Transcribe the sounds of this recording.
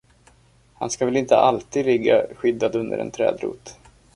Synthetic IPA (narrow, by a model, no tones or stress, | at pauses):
hanskavɛlɪnt̪əʔalt̪iːd̪lɪɡːa̰ɧʏd̪ːad̪ɵnd̪ə̰ɾɛ̰nt̪ʰɾɛ̰ːd̪ɾṵːt̪